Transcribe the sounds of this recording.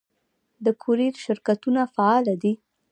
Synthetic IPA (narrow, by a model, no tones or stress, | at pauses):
d̪əkʰuɾiɾʃɪɾkat̪unafaɑlad̪i